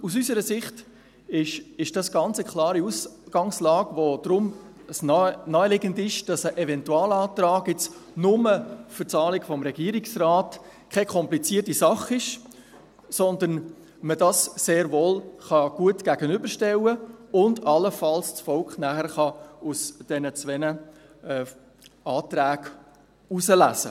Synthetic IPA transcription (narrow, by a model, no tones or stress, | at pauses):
usysəɾəsɪχt | ɪʃɪʃd̥ɑsɡ̥ɑnt͡səkʰlɑːɾiusɡ̥ɑŋslɑːɡ̥ʋod̥ɾʊm | snɔːəlɪɡəndɪʃd̥ɑsəʔɛvɛntuɑːlɑːtɾɑːɡɛt͡snʊməfʏt͡sɑːlɪɡfɔmɾɛɡ̥iːɾɪksrɑːt | kʰekʰɔmplit͡siːtisɑχɪʃ | sɔnd̪ən | mədɑsseːɾvoːlχɑɡ̥uətɡ̥æɡənʏbəɾʃtɛwəʊndɑləfɑlst͡sfɔlkχnæχəɾχɑusd̥ɛnət͡sʋɛnə | ɑːtɾæːɡ̥ | usəlæ̰sə̰